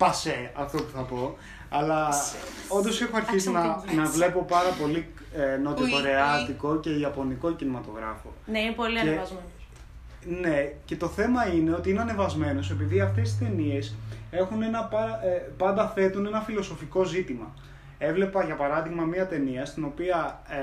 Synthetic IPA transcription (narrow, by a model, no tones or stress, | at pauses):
pɐseɐft̪o̞puθɐpo̞ | ɐlɐ | o̞nd̪o̞sexoɐɾçiznɐnɐvle̞po̞pɐɾɐpo̞li | no̞t̪ikoɾeɐt̪iko̞ce̞iɐpo̞niko̞cinimɐt̪o̞ɣɾɐ̰fo̞̰neinepoliɐevɐzmen | ne̞ce̞t̪o̞θe̞mɐine̞o̞t̪iineɐnevɐzme̞nose̞piðiɐft̪e̞sist̪e̞nie̞se̞xune̞nɐpɐpɐnd̪ɐθe̞t̪une̞nɐfilo̞so̞fiko̞zit̪imɐ | e̞vle̞pɐʝɐpɐɾɐðiɣmɐmiɐt̪e̞niɐst̪ino̞piɐ